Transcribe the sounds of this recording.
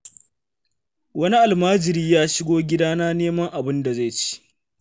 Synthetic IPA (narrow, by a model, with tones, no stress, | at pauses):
wɐ˦ni˦ʔa˨lmaː˦d͡ʒɪ˨ɾiː˦jaː˦ʃɪ˦ɡʷoː˦ɡʲɪ˦daː˦naː˦neː˦mɐ˦ŋʔa˨bɪ˦nda˨za˦˨jt͡ʃi̥˦ʔ